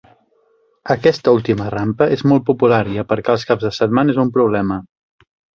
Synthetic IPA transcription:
əkɛst̪əulˠt̪imərampəʔezmɔlˠt̪̚pupulaɾiəpəɾkɛəlˠskabzðəsət̪manəezumpɾuβlɛmə

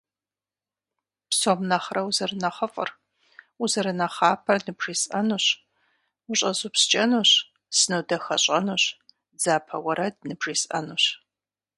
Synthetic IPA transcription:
psoːmnɐχrɐwzɐrɨnɐχɐfʼə̰r | uzɐɾɨnɐχaːpʰɐnɨbriːsʼɐnuɕ | ʊɕʼɐzupst͡ʃʼɐnuːɕ | sɨnɨdɐxɐ̰ɕʼɐnuːɕ | d͡zaːpʰɐwɐɾɐdnɨbriːsʼɐ̰nuɕ

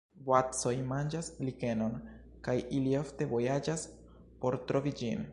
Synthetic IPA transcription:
vwatt͡so̞jmand͡ʒaslike̞no̞n | kajilio̞fte̞vo̞jad͡ʒas | po̞ɾtɾo̞vid͡ʒin

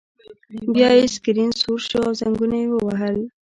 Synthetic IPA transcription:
bjɑjeskɪɾinsuɾʃoawzaŋɡunajewəwaɦəl

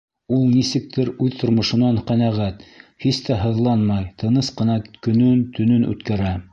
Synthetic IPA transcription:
ulˠnisɘ̆k̚t̪ɘɾʉðt̪ŏɾmŏʃɤ̆nɑɴqænæʁæt̪hist̪æɦɤ̆ðlˠɑnmɑjt̪ɤ̆nɤsqɤ̆nɑkɵ̆nɵnt̪ʰɵ̆nɵnʔʉ̰t̪kæɾæ

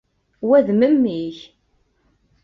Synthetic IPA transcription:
wæðməmːiç

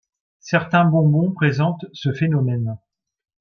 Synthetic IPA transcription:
sɛʁt̪ɛ̃bɔ̃bɔ̃pχezɑ̃t̪səfenɔmɛn

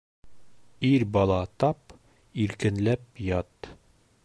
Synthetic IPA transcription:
iɾbɒlˠɑt̪ɑp | iɾkɘ̆nlæpjɑt̪

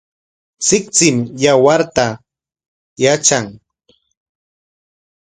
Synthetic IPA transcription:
sɪk̚t͡sɪmjawaɾt̪a | jat͡ʃaŋ

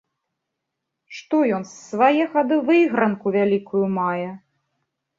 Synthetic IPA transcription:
ʂt̪ɔjɔnsːvajɛɣad̪ɨvɨɣɾɐnkuvʲalʲikujumajɛ

